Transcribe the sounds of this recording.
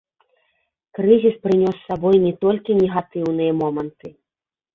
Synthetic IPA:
kɾɨzʲispɾɨnʲɔsːabɔjnʲɛt̪ɔlʲkʲinʲɛɣat̪ɨwnɨjɐmɔmɐnt̪ɨ

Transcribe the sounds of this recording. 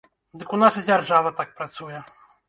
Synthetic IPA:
d̪ɨkunasɨd͡zʲarʐavɐt̪ak̚pɾat̪sujɛ

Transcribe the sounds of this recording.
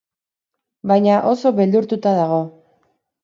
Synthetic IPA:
bajɲaʔo̞so̞βeld̪uɾt̪ut̪aðaɣ̞o̞

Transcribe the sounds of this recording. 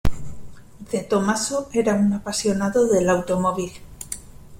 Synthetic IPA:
d̪et̪omasoeɾaunapasjonaðoðelawt̪omoβ̞il

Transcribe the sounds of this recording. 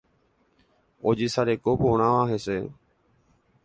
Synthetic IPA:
od͡ʒisaɾekopoɽ̃ãʋaɦese

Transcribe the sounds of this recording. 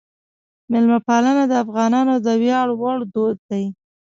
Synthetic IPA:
mɪlmapalənad̪əafɣɑnɑnod̪əwjɑɽwɑɽd̪od̪̚d̪aj

